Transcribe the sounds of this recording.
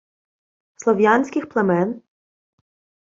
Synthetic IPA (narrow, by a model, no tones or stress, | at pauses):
slˠɔʋʲjanʲsʲkʲɪxplˠemɛn